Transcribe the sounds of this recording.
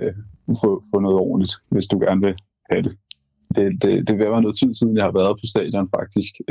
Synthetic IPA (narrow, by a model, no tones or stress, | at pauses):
fɔfɔ̽nɔ̽ːð̞̩ˠɒ̰ːn̩lid̥ʋe̝sd̥uɡ̥æɐnʋe̝ | hæd̥e̝ | d̥e̝d̥e̝d̥e̝ʋeʋænɔ̽ːð̞̩ˠt͡sʰið̰ˠsiðˠn̩jɑ̈hɑ̈ʋæːɐðˠpʰɒ̽sd̥ɛ̰ːd̥jɒ̽nfɑ̈ɡ̥̚d̥isɡ̥